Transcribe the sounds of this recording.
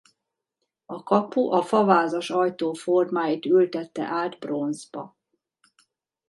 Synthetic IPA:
ɒkɒpuʔɒfɒvaːzɒʃɒjt̪oːformaːjit̪ylt̪ɛt̪ːɛ̰ʔaːd̪bro̞nzbɒ̰

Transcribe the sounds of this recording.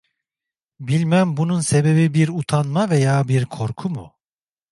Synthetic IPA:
bilʲmæmbununse̞be̞bibiɾut̪ʰanmavejaːbiɾkʰo̞ɾkʰumṵ

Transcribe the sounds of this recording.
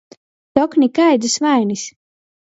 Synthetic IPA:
t̪ɔknʲikajd̪ɨsvajnisʲ

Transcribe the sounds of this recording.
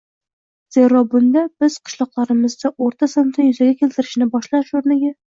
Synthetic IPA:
z̥eɾɒbʊnd̪ab̥ɪz̥qʰɨ̥ʃlˠɒqlˠaɾɪmɪzd̪aʔoɾt̪ʰasant̪ajʏzaɡʲakʲʰe̞lt̪ɪɾɪʃnɪbɒʃlaʃoɾnɪɡʲa

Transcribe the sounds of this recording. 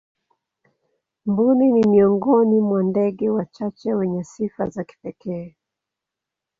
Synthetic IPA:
mbuninimiɔŋɡɔnimwandɛɡɛwat͡ʃat͡ʃɛwɛɲɛsifa̰zaki̥pɛkɛː

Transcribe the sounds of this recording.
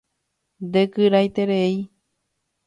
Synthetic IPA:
d̪ekɨɾajt̪eɾei

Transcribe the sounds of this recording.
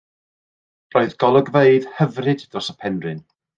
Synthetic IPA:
roːɨðɡɔlˠəɡveɨð̥həvrɨddrɔsəpʰɛnrɨn

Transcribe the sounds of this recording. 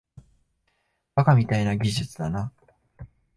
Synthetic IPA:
b̥akamʲit̪ainaɡʲiʑɨt͡sɨd̪ana

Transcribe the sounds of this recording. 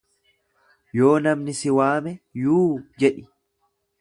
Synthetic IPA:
jo̞ːnɐmnɪsɪwaːmɛjuːd͡ʒɛᶑɪ

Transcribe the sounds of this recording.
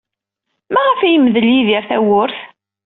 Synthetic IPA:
mæʁəfæjəmːəðəljiðiɾθæwʊɾθ

